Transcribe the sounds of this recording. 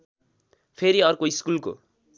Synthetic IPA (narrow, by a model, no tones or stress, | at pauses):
pʰeɾiʌrkoiskulko̰